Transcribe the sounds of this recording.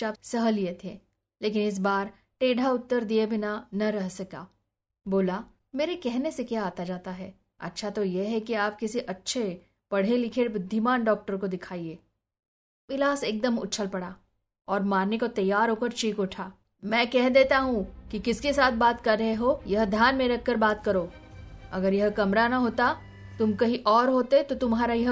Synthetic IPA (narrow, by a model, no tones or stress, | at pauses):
t͡ʃaːpsɐɦəliet̪ʰeː | leːk̬ɪnɪs̬baːɾ | ʈeːɖʱaʊt̪ːəɾd̪iebʱinanɐɾɛɦsɐka̰ː | boːla | meːɾekɛɦnesekjaːt̪ad͡ʒaːt̪aɦɛː | ɐ̰tːʃʰat̪ojeɦɛkiaːp̚kɪsiʔɐtːʃʰe | pɐɽ̤elɪkʰebʊd̪ʱːimaːnɖɔːk̚ʈəɾkod̪ɪkʰaːieː | ʋɪlaːseːk̚d̪əmʊ̰tːt͡ʃʰəlpɐɽaː | ɔːɾmaːɾnekot̪ɐjːaːɾɦoːkəɾt͡ʃiːkʊʈʰaː | mɛ̃ːkɛɦd̪eːt̪aɦũkikɪskesaːt̪̚ʰbaːt̪kɐɾːɐɦeɦojɐɦd̪ʱjaːnmẽɾɐk̚ʰːɐɾbaːt̪kɐɾoː | ɐɡəɾjɐɦkɐmɾanɐɦoːt̪a | t̪ʊmkɐɦiʔɔːɾɦoːt̪et̪ot̪ʊmɦaːɾajɐɦ